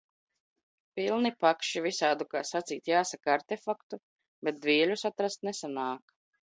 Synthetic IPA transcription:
pilˠnipakʃivisaːd̪ukaːsat̪siːt̪jaːsakaɾt̪efakt̪u | bɛt̪̚d̪vʲiːɛlʲusat̪ɾast̪nɛsanaːk

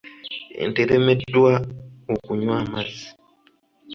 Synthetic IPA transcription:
ḛnteɾemedwaokuɲwamazi̥

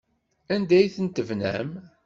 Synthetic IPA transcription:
ænd̪æjθənt̪əvnæ̰m

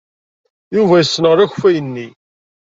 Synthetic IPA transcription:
juvæjəsːnəʁɾˤæçfæjənːi

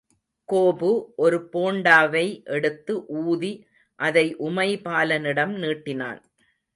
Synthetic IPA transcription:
koːbɯʔɔɾɯpoːɳɖaːʋɐɪʔɛɽɯt̪ːɯʔuːði | ʔɐðɐɪʔʊmɐɪpaːlɐnɪɽɐmniːʈːɪna̰ːn

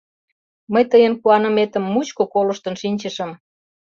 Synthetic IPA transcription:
məjt̪əjənkuɑnə̆met̪əmːut͡ɕkokolə̆ʃt̪ənʃinʲt͡ɕəʃə̆m

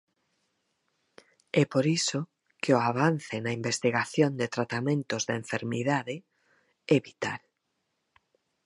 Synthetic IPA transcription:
ɛpoɾiso | keoaβ̞an̟θenaimbest̪iɣaθjond̪et̪ɾat̪amẽnt̪ozðaeɱfeɾmiðaðe | ɛβit̪a̰l

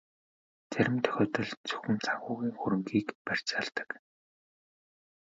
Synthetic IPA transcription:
t͡sæɾʲɪ̆mt̪ʰœ̥xʲɔːt̪ə̆ɮt͡sʰɵ̥xʲɵ̆nt͡sʰaɣʊːɣiːŋxuɾɵ̆ŋɡiːkpær̥ʲt͡ɕaɮt̪ə̥̆k

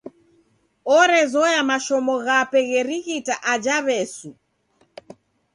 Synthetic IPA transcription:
ɔɾɛzɔjamaʃɔmɔɣapɛɣɛɾiɣitaʔad͡ʒaβɛsu

